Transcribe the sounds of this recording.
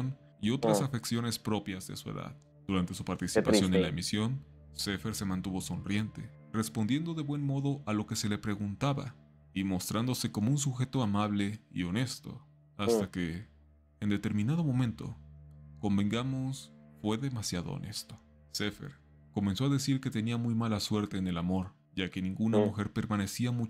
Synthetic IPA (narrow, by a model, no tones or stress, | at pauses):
n | io̞t̪ɾasafe̞ksjo̞ne̞spɾo̞pjazðe̞̰suḛða̰ð | d̪̥uɾant̪e̞supaɾt̪isipasjo̞nenlaemisjo̞n | se̞fe̞ɾse̞mãnt̪uβo̞so̞nrje̞nt̪e̞̰ | re̞spond̪je̞nd̪o̞ðe̞βwe̞nmo̞ðo̞ʔalo̞ke̞se̞le̞pɾe̞ɣunt̪aβa̰ | imo̞st̪ɾand̪o̞se̞ko̞mouns̬uxe̞t̪o̞amaβle̞ḭo̞ne̞st̪o̞̰ | ast̪ake̞ː | nd̪e̞t̪e̞ɾmĩnað̞o̞mõ̞mẽnt̪o̞̰ko̞mbe̞ŋɡamo̞sfwe̞ðe̞masjaðo̰o̰ne̞̰st̪o̞̥ | sefḛɾ | ko̞me̞nso̞aðe̞siɾke̞t̪e̞niamujmalaswe̞ɾt̪e̞ːne̞lamo̞ɾ | ʝake̞nĩŋɡunamuxe̞ɾpe̞ɾmane̞siamu